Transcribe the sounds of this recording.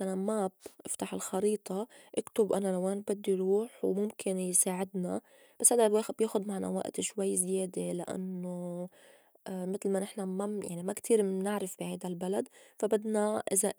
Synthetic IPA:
ʔanamabʔɪft̪aħɪlxɑɾiːt̪ˤɑʔakt̪ʊbʔanalaweːnbɪd̪ːiɾuːħwmʊmkʰɪnjsaːʕɪd̪na̰ | b̥asːhad̪alweːxbjeːxʊd̪maʕna̰wa̰ʔt̪ʃwajːzjeːd̪elɪ̰ʔa̰nːo | mɪt̪lmanɪħnamajaʕnimakt̪ʰiːɾnɪʕɾɪfb̥ihajd̪albalad̪fabad̪naʔɪza

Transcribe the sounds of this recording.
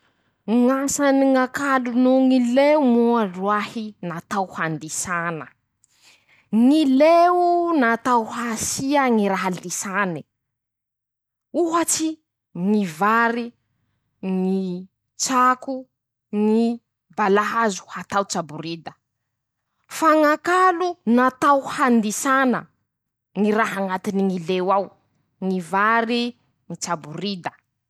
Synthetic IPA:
ŋasaniŋakalunuŋileumuaɖ͡ʐuahinat̪awhand̪isanə | ŋilenat̪awhasiaŋiɾaɦalisani | uɦat͡ʃi | ŋivaɾi | ŋi | t͡ʃaku | ŋi | balaɦazu̥hat̪awt͡ʃabuɾid̪ə̥ | faŋakalunat̪awhand̪isanə̰ | ŋiɾaɦaŋat̪iniŋilewaw | ŋivaɾi | ŋit͡ʃabuɾid̪ə̥

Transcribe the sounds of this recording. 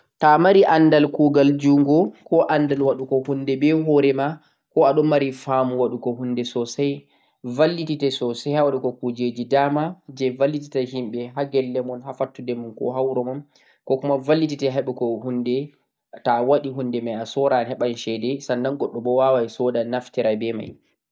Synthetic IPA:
tamaɾiʔanːdalkuɡald͡ʒuŋɡɔkɔʔandalwaɗukɔhunːdɛbɛɦɔɾɛma | kɔaɗɔnːaɾifamuwaɗukɔhundɛsɔsaj | valːititɛsɔsajhawaɗukɔkud͡ʒed͡ʒidamad͡ʒɛvalːiti̥taɦimɓɛɦaɡɛlːɛmɔnhafatːudɛmunkɔ̰ɦawɾɔmam | kɔkumavalːititɛɦɛɓukɔhundɛ | tawaɗiɦundɛmajasɔɾanɦɛɓanʃɛdɛsanːanɡɔɗːɔbɔwawajsɔdanaftiɾajbɛma̰j

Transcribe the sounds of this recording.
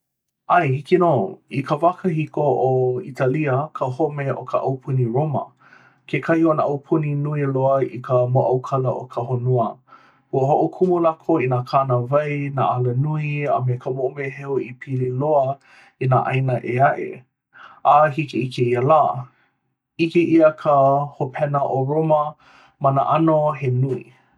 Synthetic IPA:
ajhikinoːikʰəvakʰəhikoʔoitʰaliəkʰəhomeʔokʰəʔɐwpʰuniɹomə̰ | kʰekʰɐhionəʔɐwpʰuninuiloəḭkʰəmoʔɐwkʰɐləʔo̰kʰəɦonoə | huəhoʔokʰumulakʰoinakʰanəvɐjna̰ʔalənuiə̰mekʰəmoʔomeɦeoipʰililoə | inaʔajnəʔeaʔḛ | aɦikeikeiəlaː | ikeʔiəkʰəhopʰɛnəʔoɹomə | mɐnə̰ʔanoɦenui

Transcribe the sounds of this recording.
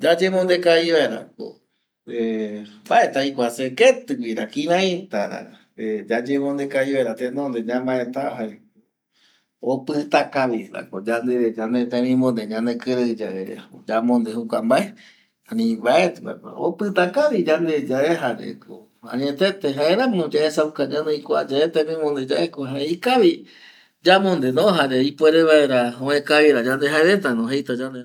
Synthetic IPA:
d͡ʒad͡ʒemõnd̪ekaiβaeɾa̰ko̰ | embaet̪aikʷaseket̪ɨɡiɾakĩɾãit̪aɾa̰ | ed͡ʒad͡ʒemõnd̪ekaiβaeɾat̪ẽnõnd̪eɲãmbaet̪aɦae | o | opɨt̪akaβiɾa̰kod͡ʒand̪ed͡ʒand̪et̪ẽmĩmõnd̪eɲãnd̪ekɨɾɨd͡ʒaeɾḛod͡ʒamõnd̪eɦukambae | anĩbaet̪ɾa̰ka̰opɨt̪akaβid͡ʒand̪ed͡ʒaeɦaɾḛkʰo̰ | ã̰ɲẽt̪et̪eɦaeɾãmõd͡ʒaesaukaɲãnejkʷa̰d͡ʒaet̪ẽmĩmõnd̪ed͡ʒaʔekoɦaeikaβi | d͡ʒamõnd̪enõɦaɾeipoeɾeβaeɾaõẽkaβiɾad͡ʒãnd̪eɦaeβet̪̬anõɦejt̪ad͡ʒand̪e

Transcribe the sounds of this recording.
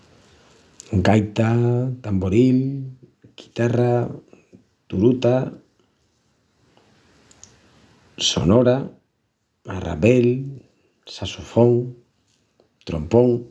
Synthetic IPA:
ɡajt̪at̪amboɾil | ɡ̥i̥t̪ara | t̪uɾut̪a | so̰nɔɾa | ara̰βɛl | sasufoŋ | t̪ɾo̰mpoŋ

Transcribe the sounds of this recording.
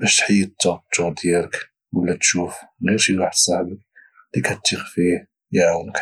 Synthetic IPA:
bæʃt̪ħajːət̪ˤːɑb̚t̪ud̪jæɾək | wəlːæt̪ʃufɣiɾʃiwaħəd̪sˤɑħbək̚ | d̪̥ikhæt̪ːixfi | jaʕwənək

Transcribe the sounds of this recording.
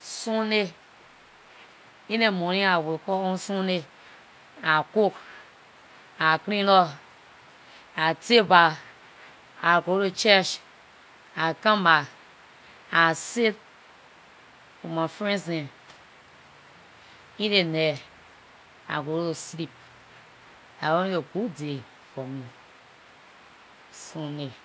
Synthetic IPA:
sune | inemoɾĩawekɔosune | akuk | akɾilɔ | ateba | aɡooot͡ʃet͡ʃ | akãma | aset̚ | kumafɾẽsne | iɾene | a̰ɡoɾoslip̚ | aoieɡude | komi | sũne

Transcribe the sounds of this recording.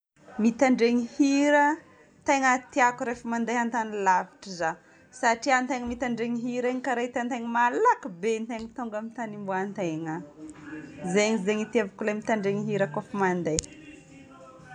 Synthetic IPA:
mit̪aɳɖ͡ʐeŋihiɾə | t̪eŋət̪iakuɾefəmand̪eɦant̪anilaviʈ͡ʂiza | saʈ͡ʂiant̪eŋəmit̪aɳɖ͡ʐeŋiɦiɾaɲikaɾaɦit̪ant̪eŋəmalakubent̪eŋt̪uŋɡamint̪animbuant̪eŋa | zeɲizeŋit̪iavakulamit̪aɳɖ͡ʐeŋiɦiɾəkofəmand̪ej

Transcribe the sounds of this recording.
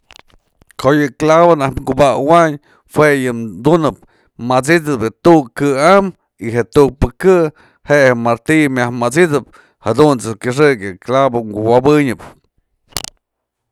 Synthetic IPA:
kojɨklaβonahɡubawaɲ | hwejɨd̪unɨp̚ | mat͡sit̪ɨpɨt̪uʔkɨam | iɦeʔt̪uk̚pɨkɨ | heʔhemaɾt̪imʲahmat͡sid̪ɨp̚ | had̪unt͡sɨkʲɨʂ̬ɨkjɨklaβoŋɡuwabɨɲɨp

